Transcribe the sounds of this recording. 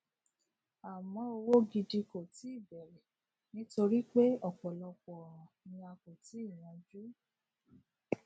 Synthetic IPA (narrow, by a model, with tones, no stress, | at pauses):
a˨mɔ̃˨˧˦o˧wo˦ɡi˧di˧ko˨ti˨˦i˦˨bɛ˨ɾɛ˨ | nĩ˦to˧ɾi˦k͡pe˦ɔ˦˨k͡pɔ˨lɔ˧k͡pɔ˨ɾɔ̃˨nĩ˧a˧ko˨ti˨˦i˦˨w̃ã˧d͡ʒu˦